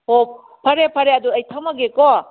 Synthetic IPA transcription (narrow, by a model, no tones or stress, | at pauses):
hop̚ | pʰɐɾepʰɐɾeɐduɐjtʰɐmɐɡekɔ